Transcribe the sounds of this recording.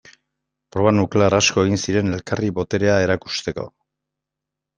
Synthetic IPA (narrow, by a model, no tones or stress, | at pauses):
pɾo̞βanuklaɾasko̞e̞ɣinsiɾe̞ne̞lkariβo̞t̪e̞ɾe̞ae̞ɾaku̥st̪e̞ko̞̰